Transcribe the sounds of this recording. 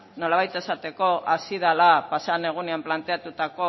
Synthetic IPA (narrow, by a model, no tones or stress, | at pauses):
no̞laβ̞ajt̪e̞sat̪e̞ko̞ʔasiðalapasane̞ɣ̞uneamplant̪e̞at̪ut̪ako̞